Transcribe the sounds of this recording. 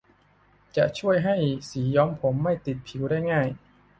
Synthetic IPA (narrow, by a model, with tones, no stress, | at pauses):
t͡ɕa˨˩ʔt͡ɕʰu˥˩əjɦa˥˩jsiː˩˦jɔː˦˥mpʰo˩˦mːa˥˩jt̪i˨˩t̪̚pʰi˩˦wdaː˥˩jŋaː˥˩j